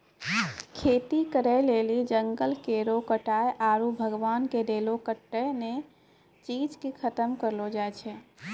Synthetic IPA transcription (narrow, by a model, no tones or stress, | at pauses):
kʰet̪ikəɾɛlelid͡ʒəŋɡəlkeɾokəʈaeʔaɾubʱəɡʋankeɾelokəʈːəne | t͡ʃid͡ʒkekʰət̪əmkəɾlod͡ʒajt͡ʃʰɛ